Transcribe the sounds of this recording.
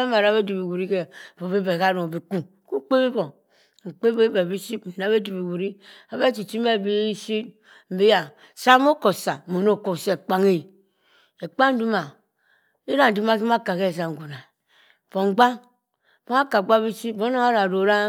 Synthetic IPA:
m˨a˨ɾa˨˦be˦du˨bi˨ɡu˨ɾi˦ke˦˨bo˨bi˦be˨ka˦ɾo˨bi˨ku˦ | ku˦k͡pe˦bi˦bo˨ | ŋ͡m̩˨k͡pe˦be˦be˨bi˦si˦pmi˨na˦βe˦du˨bi˨ɡu˨ɾi˦ | a˨be˦t͡ʃi˨t͡ʃi˦me˦˨bi˦si˦ | m̩˨be˦ja˨ | sa˦mo˦ko˨sa˨mo˨no˦˨ko˨se˨k͡pa˨ŋe˦˨ | e˨k͡pa˦n̩˦du˦ma˨ | i˦ɾa˦n̩˨di˦ma˦k̬i˦ma˦ka˨ke˦˨s̬a˨ŋ˨ɡu˨na˨ | b̥o˨ŋ͡mɡ͡ba˦ŋ | bo˦a˦ka˨ɡ͡ba˦bi˦si˦bo˦no˦ŋa˦ɾa˨ɾo˨ɾa˦

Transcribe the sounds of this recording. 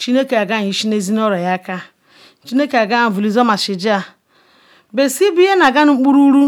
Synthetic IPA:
t͡ʃi˦ne˦ke˨a˨ɡa˦˨ɲ˨i˨ʃi˦ne˦zi˦n˦ɔ˦ɾɔ˨ja˦ka˦ | t͡ʃi˦ne˦ke˨a˨ɡa˦˨m̩˨vu˨li˨zɔ˦ma˨ʃɪ˨d͡ʒa˨ | be˨si˦bi˦je˦na˨ɡa˦n˦ŋ͡m̩˦k͡pu˦ɾu˦ɾu˦

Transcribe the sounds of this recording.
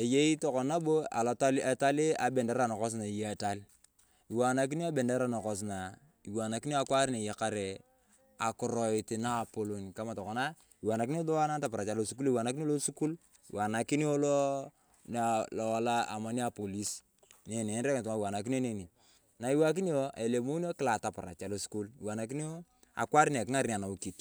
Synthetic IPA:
e˨je˦i˦to˨kɔ˨na˦bo˦a̰˨la˨ta˦le˨ta˦li˦a˨bɛ˨nde˦ɾa˨nɔ˨kɔ˦s̬na˨i˨je˦a˨ta˦l | i˨wa˨na˨k̬i˦ni˦a˦be˨nde˦ɾa˨no˨kɔ˨s̬na˨ | i˨wa˨na˨ki˦ni˦a˦kwa˦ɾi˦ne˨je˨ka˦ɾe˨ | a˨kʊ˨ɾɔ˨i˨ti˨naː˦˨po˨lo˨ni˨ka˦ma˨tɔ˨kɔ˨na˦ | i˨wa˨na˨k̬i˦i˦lo˦wa˦na˦nta˨pɾa˨t͡ʃa˨lo˨su˦k̬u˦li˦˨wa˨na˨˦k̬ini˦lo˦su˦ku˦l | ḭ˨wʔa˨na˨ki˦ni˦o˦lo˦ | na˨lɔ˨wa˨la˦ʔa̰˨ma˨ni˦a˨po˨li˦s | n˨e˨ne˨˦nɾe˦kt̬u˨ŋa˦˨i˨wa˨na˨k̬i˦ni˦o˦ne˦˨ni˨ | na˨i˨˦wa˦k̬i˦ni˦o˦ʔḛ˨le˨mo˦ni˦o˦kɪ˦la˨ta˨pa˨ɾa̰˨t͡ʃa˨lo˨su̥˦ku˦li˨wa˨na˨ki˦ni˦o˦ | a̰˨kwa˦ɾi˦n˨e˨ki˦ŋa˦ɾi˦ni˨a˨na˨u˦ki˨t

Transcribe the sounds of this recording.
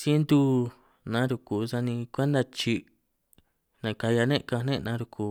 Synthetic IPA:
sje˦nd̪u˦ | nã˨˦ɾu˧ku˨˧sa˧nĩ˧kʷe˦nd̪a˧t͡ʃi˧ | nã˨ka˧ja˧nẽ˦ʔka˧nẽ˦ʔnã˦ɾu˧kʰu˧˨

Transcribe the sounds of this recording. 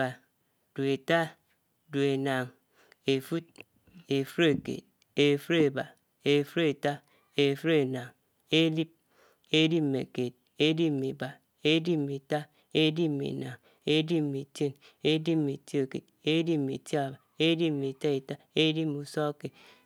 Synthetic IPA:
a˨ | du˨e˨ta˦ | du˨e˨na˨ŋ | e˨fu˦t̚ | e˨fu˦ɾe˨kḛ˨t̚ | e˨fu˦ɾe˨ba˨ | e˨fu˦ɾe˨ta˦ | e˨fu˦ɾe˨na˨ŋ | e˦li˦p̚ | e˦di˦p̩̚˨mḛ˨ke˨t̚ | e˦di˦p̚me˨ba˨ | e˦di˦m˨e˨ta˦ | e˦di˦˨mḛ˨na˨ŋ | e˦di˦m̩˨me˨te˦n | e˦di˦˨me˨ti˦e˦˨kḛ˨t̚ | e˦di˦p̩̚mḛ˨ta˨ba˨e˦di˦m̩˨e˨ta˦e˨ta˦e˦di˦p̚mu˨sɔ˦ke˨

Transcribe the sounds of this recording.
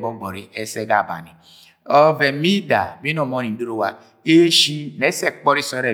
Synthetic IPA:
bɔ˦ɡ͡bɔ˨ɾi˦ʔe˦se˦ɡa˨ba̰˨ni˨ | ɔ˦ve˨mi˦da̰˨bi˦nɔ˨mɔ˨˦ni˨˦o˦ɾo˦˨wa˨ | e˦ʃi˦ne˦sɛ˦˨k͡pɔ˦ɾi˦sɔ˨˦ɾe˨

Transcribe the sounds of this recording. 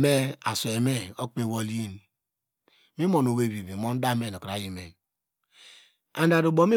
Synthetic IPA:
me˦a˨so˨e˨me˦o˦k͡pe˦˨wo˦˨li˦e˦n | mi˦mo˨no˨we˦˨bi˨bi˨mo˦n˦da˦me˦˨no˨kɾa˨˦ji˨me˨ | a˨n˦da˨ɾo˨bo˦mi˦

